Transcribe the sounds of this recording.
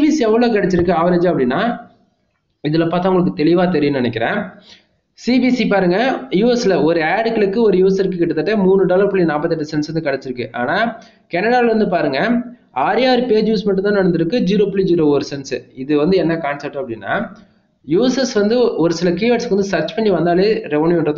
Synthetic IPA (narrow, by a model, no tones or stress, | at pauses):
bisiɛʋːɐɭoːkɐɽɛt͡ʃːɪɾɯkːɯaːʋɐɾed͡ʒɐpːɐɽɪnːaː | ɪðɯlɐpːaːt̪ːaːʊŋɡɐɭɯkːɯt̪ɛɭɪʋaːt̪ɛɾɪjɐnɪnɛk̬ʲːɪɾḛ̃ː | siːbisipaːɾɯŋɡɐjuːɛslɐɔɾɯaːɖɯkːɐɭɯkːɯɔɾɯjuːɛsɐɾkːɯkːɪʈːɯt̪ːɐʈːemuːɳːɯɖaːlɐɾpʊɭːinaːpːɐt̪ːɛʈːɯsɛnsɐnɯkɐɽɛt͡ʃːɪɾɯkːɯʔa̰ːnaː | kɛnɐɽaːlɐɾɐnd̪ɯpaːɾɯŋɡɐ | aːɾjaːɾpeːd͡ʒjuːsmɐʈːɯ̃mt̪ãːnɐɽɐnd̪ɯɾɯkːɯd͡ʒiːɾoːplid͡ʒiːɾoːɐɾɯsɛnsɪðɯʋɐnd̪ɯɛnːɐkaːnsɐp̚ʈːɐpːɐɽɪnːa̰ː | juːɛsɛsʋɐnd̪ɯɔɾɯsɪlɐkiːaːʈskʋɐnd̪ɯsɐɾt͡ʃpɐɳɖiʋɐnd̪aːleːɾɛʋɐnjɪɳɾɐð